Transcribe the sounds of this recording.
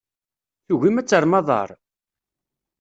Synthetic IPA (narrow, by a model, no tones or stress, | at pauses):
θuɣimæt͡sːəɾˤmɑðˤɑ̰ɾˤ